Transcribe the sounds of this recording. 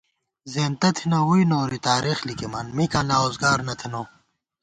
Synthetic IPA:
zeːnt̪ɐt̪ʰinɐwujnoːɾit̪aːɾixlikimɐnmikãːnaːoːzɡaːɾnɐt̪ʰinoː

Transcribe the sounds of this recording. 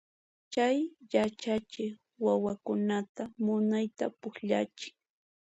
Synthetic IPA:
t͡ʃajjat͡ʃat͡ʃɪ | wawakʊnat̪amʊnajt̪a̰pʊχʎa̰t͡ʃɪ̥ŋ

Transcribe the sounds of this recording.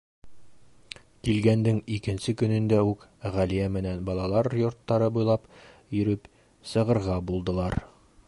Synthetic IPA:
kilɡænd̪ɘŋikɘ̆nsɘkɵ̆nɘ̆nd̪æʉkʁælijæmɘ̆nænbɒlˠɑlˠɑɾjŏɾt̪ːɑɾɤbujlˠɑp | jɵ̆ɾɵp | sɤ̆ʁɤ̆ɾʁɑbulˠd̪ɤ̆lˠɑɾ

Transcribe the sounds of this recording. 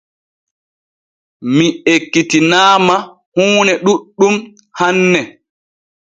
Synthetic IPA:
miekːitinaːma | huːnɛɗuɗːum | hanːɛ

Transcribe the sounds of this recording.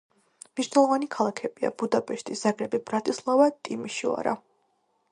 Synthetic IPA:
mniʃnɛlˠɔvanikʰalˠakʰɛbia̰bud̪apʼɛʃt̪ʼʰisz̥aɡɾɛbibɾat̪ʼislˠavat̪ʼimiʃia̰ɾa̰

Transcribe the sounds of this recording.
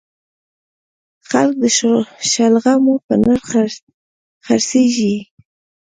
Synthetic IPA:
xalk̚d̪əʃalɣamopənaɾ | xaɾseʒi

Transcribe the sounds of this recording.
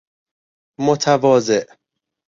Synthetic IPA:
mot̪ʰævɒːzeʔ

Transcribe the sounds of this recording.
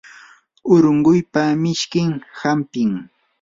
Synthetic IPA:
ʊɾʊɴɢʊjpamɪʃkɪŋhampɪŋ

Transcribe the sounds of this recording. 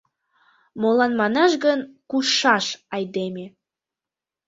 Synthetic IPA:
molɑnmɑnɑʃɡənkuʃɑʃɑjd̪eme

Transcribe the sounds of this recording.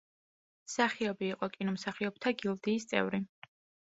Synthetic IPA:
saχiɔbiːqʼɔkʼinumsaχiɔb̚t̪ʰaɡilˠd̪iːst̪sʼɛ̰vɾi

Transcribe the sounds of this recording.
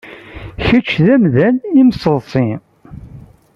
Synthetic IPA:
çət͡ʃːðæmðænimsəðˤsˤi

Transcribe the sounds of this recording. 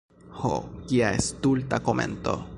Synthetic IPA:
ho̰kiaest̪ult̪akomḛnt̪o̰

